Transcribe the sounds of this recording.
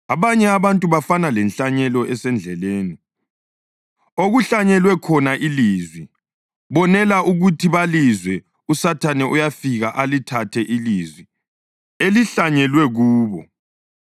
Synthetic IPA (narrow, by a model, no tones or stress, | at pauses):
aβaɲɛaβantʼuβafanalɛnɬaɲɛlɔʔɛsɛnd͡ɮʱɛleːni | oɣuɬaɲɛlwɛkʰɔnaʔilizwi | βɔnɛlaʔuɣutʰiβalizwɛ | usatʰanɛʔujafiɣaʔalitʰatʰɛʔilizwi | eliɬaɲɛlwɛɣuːβɔ